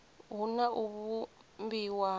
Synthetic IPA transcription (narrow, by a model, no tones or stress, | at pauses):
ɦunaʔuβu | mbiwa